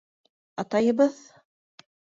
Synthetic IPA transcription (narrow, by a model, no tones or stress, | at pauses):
ɑt̪ɑjɤ̆βɤð